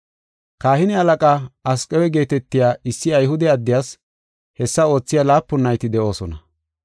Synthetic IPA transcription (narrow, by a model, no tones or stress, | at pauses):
kaːhɪnɪɐlɐkʼaːɐskʼɛwɛɡe̞ːt̪ɛt̪ːɪjaːɪsːɪɐjɦʊd̪ɛɐd̪ːɪjaːs | hɛsːɐo̞ːt͡sːɪjaːlaːpːʊnːɐjt̪ɪd̪ɛʔo̞ːsɔnɐ